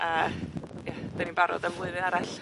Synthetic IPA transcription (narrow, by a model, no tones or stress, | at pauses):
əː | jad̥aninbaɾɔ̰dəmlˠʊɨðɨnaɾaɬ